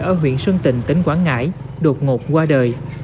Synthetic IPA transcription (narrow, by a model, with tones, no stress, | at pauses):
ʔəː˧˩ɦwḭ˧˨ənswə˧ŋt̪ï˧˨˩ŋ̟t̪ï˨˦ŋ̟kwaː˧˥ŋŋa̰ː˧˥j | ɗo˨˩t̚ŋo˨˩p̚kwaː˧ɗəː˨˩j